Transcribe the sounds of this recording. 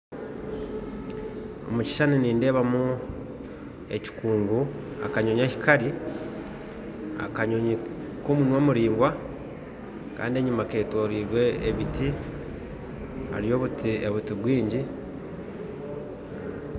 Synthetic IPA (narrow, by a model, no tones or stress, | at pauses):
o̞̰muci̥ʃaniniːnde̞ːβamu | e̞̰ci̥kuːŋɡu | a̰kaɲoɲaci̥kaɾi | a̰kaɲoɲi | komunwoːmuɾiːŋɡwa | ka̰ːndieɲumake̞ːtwoːɾiːɾwe̞ːβiti | ha̰ɾijo̞βutieβutiβwiːɲɟi